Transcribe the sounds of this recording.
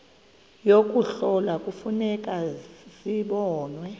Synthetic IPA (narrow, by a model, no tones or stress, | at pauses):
jokʼuɬɔlakʼufunɛkʼaziɓɔːnwɛ